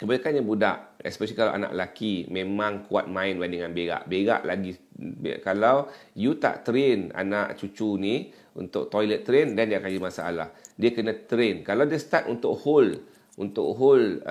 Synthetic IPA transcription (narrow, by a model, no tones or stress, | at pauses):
kəbalakanɲabudaʔɛ̰spɛʃəlikala̰wʔa̰na̰ʔlakimẽmãŋkua̰t̪̚mãɪnbandiŋanbeɡa̰ʔbeɡa̰ʔlaɡi | b̰kalawjut̪a̰ʔt̪ɾena̰naʔt͡ʃut͡ʃuni | ṵnt̪ʊk̚t̪ɔjlət̪ːɾendandiakad͡ʒimasaːlahdiəkənãt̪ɾenkalawdiəst̪at̪unt̪ʊʔhol | unt̪ʊʔɦol